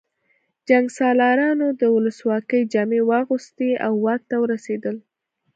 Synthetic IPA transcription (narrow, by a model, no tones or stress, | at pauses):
d͡ʒaŋɡsɑlɑɾɑnod̪əwʊləswɑkəjd͡ʒɑmewɑɣust̪eawːɑt̪ːawəɾased̪əl